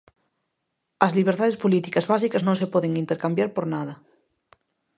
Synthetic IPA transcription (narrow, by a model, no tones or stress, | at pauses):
ɐzliβ̞eɾt̪aðespolit̪ikɐzβasikɐznõŋsepɔðeŋint̪eɾkambjaɾpoɾnaðɐ